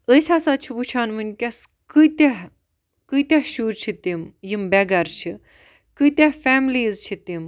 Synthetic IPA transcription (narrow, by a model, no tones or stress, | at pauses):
əsʲaːsat͡ʃʰiʋut͡ʃʰaːnmɨnʲkʲɐs | kɨjt̪aɦ | kɨt̪ʲaɦʃuːɾt͡ʃʰit̪imjimbɛɡɐɾt͡ʃʰi | kɨt̪ʲahfɛːmliːzt͡ʃʰit̪im